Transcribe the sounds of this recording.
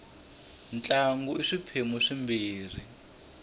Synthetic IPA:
nt͡ɬʼaŋɡɔiʂipʰemuʂimbiːr̤i

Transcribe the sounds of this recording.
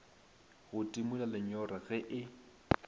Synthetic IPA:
ɣʊtʼimulalɪɲɔraɣɛʔɪ

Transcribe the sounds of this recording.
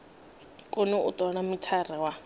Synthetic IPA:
kʼʊnɛʊ̰t̪ʼɔɺamitʰarɛwa

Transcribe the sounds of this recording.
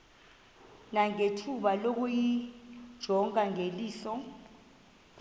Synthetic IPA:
naŋetʰuɓalok̬ujid̥ʒ̥ʱɔŋaŋeliːsɔ

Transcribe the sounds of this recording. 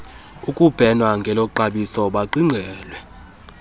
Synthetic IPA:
ukʼub̥ʱɛnwaŋɡʱɛlɔǃaɓisɔɓaǃiŋ͡ǀʱɛːlwɛ

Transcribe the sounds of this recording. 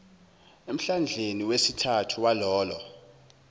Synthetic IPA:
em̩ɬand͡ɮʱeniwesitʰatʰuwalɔːlɔ

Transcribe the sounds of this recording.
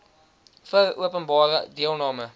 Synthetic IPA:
fərṵəpənbɑːrədiəlˠnɑːmə

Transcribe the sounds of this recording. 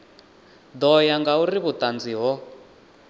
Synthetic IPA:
d̪ɔjaŋɡauriβut̪and͡ziɦɔ

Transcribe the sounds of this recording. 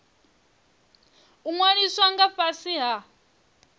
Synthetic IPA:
uŋwaniswaŋɡaɸasiɦa

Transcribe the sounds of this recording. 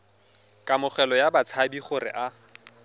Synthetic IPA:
kʼamʊχɛlɔjabat͡sʰabiχʊɾɪ̰ʔa

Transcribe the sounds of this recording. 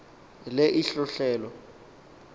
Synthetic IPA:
leʔiɬʊɬɛːlɔ

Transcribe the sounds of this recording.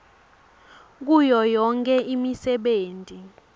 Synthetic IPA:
k̬ujɔjɔŋkʰʼɛʔimisɛɓeːntʼi

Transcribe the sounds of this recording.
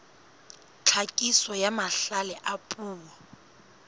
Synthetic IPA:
t͡ɬʰakʼisɔjamaɬalɛʔapʼuːwa

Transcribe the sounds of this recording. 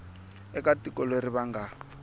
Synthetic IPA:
ɛkatikʼɔlweɾiβaŋɡa

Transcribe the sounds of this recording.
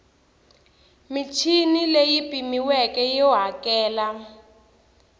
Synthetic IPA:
mit͡ʃʰinilejipʼimiwɛkɛjɔɦakɛːla

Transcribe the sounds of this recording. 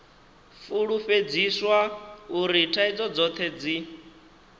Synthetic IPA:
fuɺufed͡ziswauɾitʰaid͡zɔd͡zɔt̪ʰed͡zi

